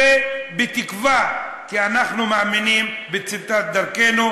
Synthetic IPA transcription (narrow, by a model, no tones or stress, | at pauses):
ebet̪ikva | kianaχnumeaminimbet͡sit̪at̪̚d̪aʁkenu